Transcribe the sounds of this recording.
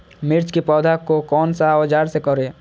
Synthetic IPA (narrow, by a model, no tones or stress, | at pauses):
mɪɾt͡ʃkipɔːd̪ʱakokɔːnsaɔd͡ʒaːɾsekɔɾeː